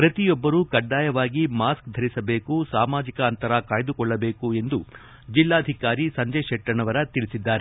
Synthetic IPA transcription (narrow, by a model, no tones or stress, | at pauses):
pɾɐt̪ijɔbːɐɾuːkɐɖːaːjɐʋaːɡimaːskd̪ʱɐɾisɐbe̞ːkusaːmaːd͡ʒikɐːnt̪ɐɾɐkaːjd̪ukɔɭːɐbeːkue̞nd̪u | d͡ʒilːaːd̪ʱikaːɾisɐɲd͡ʒɐʂɛʈɾɐɳɐʋɐɾɐt̪iɭisid̪ːaːɾe